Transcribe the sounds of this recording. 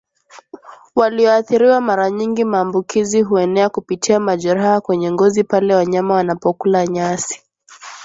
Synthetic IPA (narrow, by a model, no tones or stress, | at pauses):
waliɔaθiɾiwamaɾaɲiŋɡimaːmbukiziɦuɛnɛakupitʰiamaʄɛɾahakwɛɲɛŋɡɔzipalɛwaɲamawanapɔkulaɲasi̥